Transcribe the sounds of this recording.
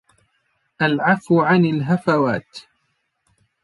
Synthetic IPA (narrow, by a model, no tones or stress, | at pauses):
ʔalʕafʕanalɦafawaːt̪